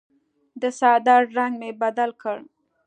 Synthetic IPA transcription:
d̪əsɑd̪ɑɾɖɾaŋɡmebad̪alkəɽ

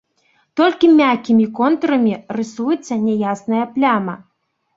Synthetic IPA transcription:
t̪ɔlʲkʲimʲakʲimʲikɔnt̪ɾɐmʲirɨsujɛt̪sːɐnʲɛjasnɐjɐplʲamɐ

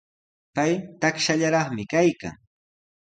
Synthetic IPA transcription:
pajt̪akʃaʎaɾɑχmɪkajka̰ŋ

